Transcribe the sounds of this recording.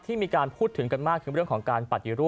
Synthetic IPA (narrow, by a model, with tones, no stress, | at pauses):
t̪ʰiː˥˩miː˧kaː˧npʰuː˥˩t̪ʰːɯ˩˦ŋka˧nmaː˥˩k̪̚ʰɯ˩˦ɾɯ˥˩əŋkʰɔː˩˦ŋkaː˧npa˨˩t̪̚ji˧ɾuː˦˥˩